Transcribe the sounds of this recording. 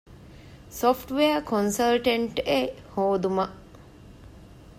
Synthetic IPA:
sofʈʋeɐkʰonsɐlʈɐɳʈehoːd̪umɐʔ

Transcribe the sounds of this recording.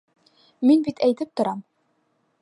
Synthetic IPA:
minbit̪æjt̪ɘp̚t̪ŏɾɑm

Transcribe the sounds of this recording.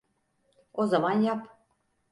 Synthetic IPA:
ozɑmɑnjɑp

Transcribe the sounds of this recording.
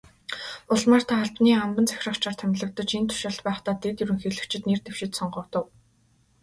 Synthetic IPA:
ʊɮmaːr̥t̪ʰaχaɮpniːχampə̆nt͡sʰæ̥xʲrə̆χt͡ɕʰart̪ʰæmʲɮə̆kt̪ə̆t͡ɕint̪ʰʊ̥ʃaɮt̪pæːχt̪aːt̪et̪jɵɾɘ̆ŋxeɮɘ̆kt͡ɕɪ̆t̪nert̪ew̥ʃɪ̆t̪sɔɴɢɞ̆ːt̪ə̆w

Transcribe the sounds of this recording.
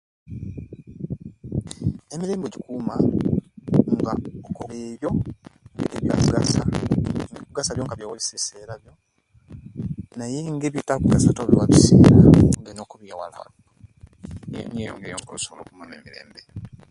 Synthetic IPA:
emiɾe̞ːmbeɟikuma | ŋɡaokoβeːβjo̞ | eβja̰kuɡa̰sanekuɡasaβjo̞ŋkaβjawaβiseseːɾaβjo | najeŋɡeβitakuɡasatoβiwaβusḛːɾaŋɡenoːkuβjawa̰la̰o | ḛɲejo̰ŋɡejoŋɡo̰soβoloːkumaneːmiɾe̞̰ːmbe

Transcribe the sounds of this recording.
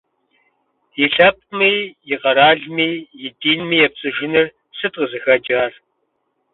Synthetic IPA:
jiɬɐp̚miːjɪqɐɾaːɮmiːjɪdiːnmiːjɛp̚t͡sʼɨʒɪnɨr | sɨtʼqəzɨxɐd͡ʒʼaːr

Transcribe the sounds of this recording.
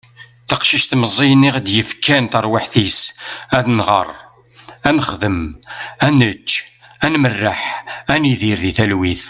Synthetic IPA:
θəqʃiʃt̪məzˤːijnɪʁd̪jəfkːænt̪əɾˤwaħθisæðnʁə̰rˤ | ænəχðəmænət͡ʃːænmərːəħæniðiɾðiθælwiθ

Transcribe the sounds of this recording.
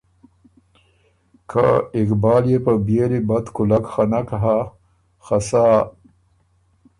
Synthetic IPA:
kʰaɪkbɑːljepəbjelibat̪kʊlakxanakaɦa | xasaː

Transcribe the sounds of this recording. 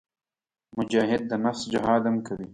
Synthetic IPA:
mʊd͡ʒaːɦɪd̪̚ːənafsd͡ʒɪɦɑːd̪amkɐwi

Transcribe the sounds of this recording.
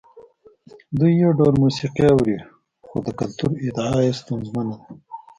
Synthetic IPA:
d̪ujːawɖawlmusiqiawɾi | xod̪əkalt̪uɾɪd̪aajest̪anzmanad̪a

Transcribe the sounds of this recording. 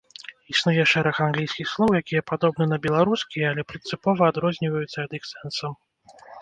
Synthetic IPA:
isnujɛʂɛɾɐxanɡlʲijsʲkʲixslˠɔwjakʲijɐpad̪ɔbnɨnɐbʲɛlˠaɾuskʲijɛalʲɛpɾɨnsɨpɔvɐːd̪ɾɔzʲnʲivɐjut̪sːɐːd̪ixsɛnsɐm

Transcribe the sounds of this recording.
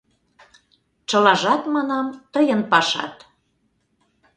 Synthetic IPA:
t͡ʃɤ̆lɑʒɑt̪mɑnɑmt̪əjənpɑʃɑ̰t̪

